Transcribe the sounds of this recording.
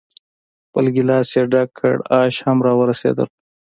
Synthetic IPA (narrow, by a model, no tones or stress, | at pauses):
pəlɡilɑːseɖakʰːə̰ɽɑːʃhamɾɑːwəɾasḛːd̪ə̰l